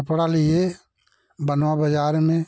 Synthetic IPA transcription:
əpɽalɪe | bənʋabəd͡ʒaːɾmẽ

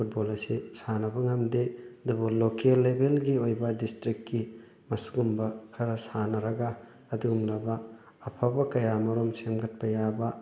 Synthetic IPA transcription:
pʰut̚bolɐsisanɐbɐŋɐmdeɐdubulokelːebelɡiojbɐdistɾikːi | mɐsu̥ɡumbɐkʰɐɾɐsanɐɾɐɡɐː | duumlɐbɐː | pʰabɐkɐjamɐɾomsemɡɐt̚pɐjabɐ

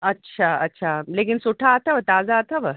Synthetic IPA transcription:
ətːɕʰaətːɕʰalekinsoʈʰaːt̪ʰaʋət̪ad͡zaːt̪aʋə

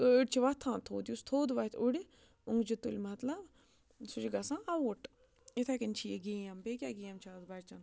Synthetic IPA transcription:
əɽʲt͡ʃʰiʋɐt̪ʰãːt̪ʰoːd̪just̪ʰoːd̪ʋɐt̪ʰuɽi | uŋɡd͡ʒit̪ulʲmɐt̪lɐb | sut͡ʃiɡɐsãːɐwuʈ | it̪ʰakinʲt͡ʃʰijɡijambekʲjaːɡiːjamt͡ʃʰaːd̪bɐɾʲt͡ʃɐn

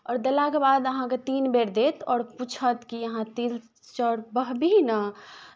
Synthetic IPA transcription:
ɔːɾd̪elakebad̪əɦãket̪inbeɾd̪et̪ʰɔːɾput͡ʃʰət̪kiəɦãt̪il | t͡ʃəɽbəɦbinə

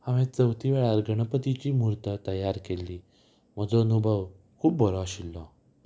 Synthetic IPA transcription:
aʋẽt͡səwt̪ʰiʋeɭaɾɡəɳ̃əpət̪it͡ɕiːmuɾt̪ət̪əjaɾkelːiː | m̤əd͡zoənubʱəʋ | kʰuːp̚bɔɾɔɕilːɔ

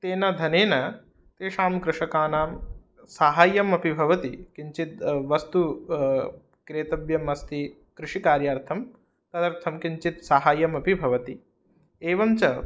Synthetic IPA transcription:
t̪eːnɐd̪ʱɐneːnɐ | t̪eːʃaːmkɾɪʂɐkaːnaːm | saːɦaːjɐmɐpibʱɐʋɐt̪ikiɲt͡ʃit̪̚ʋɐst̪u | kɾeːt̪ɐbjɐmɐst̪i | kɾɪʂikaːɾjaːɾt̪ʰɐm | k̪ɐd̪ɐɾt̪ʰɐmkiɲt͡ʃit̪saɦaːjɐmɐpibʱɐʋɐt̪i | eːʋɐmt͡ʃɐ

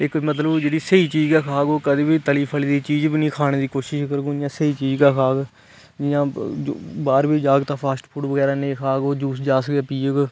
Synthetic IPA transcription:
ɪkmət̪ləbd͡ʒeːɽiːsəiːt͡ʃiːd͡ʒɡɛːkʰaːɡoːkəd̪eːbiːt̪əliːpʰəliːd̪iːt͡ʃiːd͡ʒbiːnĩːkʰaːɽ̃eːd̪iːkoːʃɪʃkəɾɡõːjãːsəɦiːt͡ʃiːd͡ʒɡaːkʰaːɡ | d͡ʒɪjãː | baːɾbiːd͡ʒaːɡt̪ãːpʰaːsʈpʰuːʈʋəɡɛːɾaːnẽkʰaːɡoːd͡ʒuːsd͡ʒaːsəɡɛːpiːəɡ

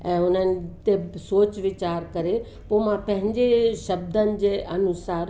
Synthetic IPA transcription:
ɛ̃ːʊn̤ənɪ̆t̪esoːt͡ɕʋɪt͡ɕaːɾkɐɾe | poːmãpɐ̃ɦɪ̃ɲd͡ʑeʃɐbd̪ʱənɪ̆d͡ʑeːʔɐnʊsaːɾ

